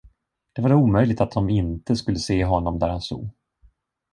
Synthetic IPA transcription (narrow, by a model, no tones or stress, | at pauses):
d̪̥ɛvaɾuːmœjlɪɡ̚t̪at̪̚d̪ɔmɪnt̪əskɵlːəseːɦɔnːɔmd̪æɾhanst̪ṵːɡ